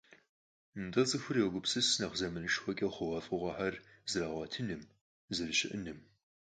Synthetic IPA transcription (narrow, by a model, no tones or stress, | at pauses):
ndɐt͡sʼɨxʷʊrjewɡʷʊpsɨsnɐχzɐmɨnɨʃxʷɔkʲʼɐχʷʊʁɐfʼɨʁʷɐħarzɨɾaːʁʷɐtʰɨnɨm | zɨrɨʃɪ̰ʔɨnɨm